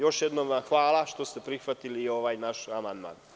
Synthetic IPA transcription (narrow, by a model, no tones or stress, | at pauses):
jo̞ʃjed̪nomaxʋaːlˠaʃt̪o̞st̪epɾixʋat̪iliːo̞ʋajnaʃamand̪ma̰ːn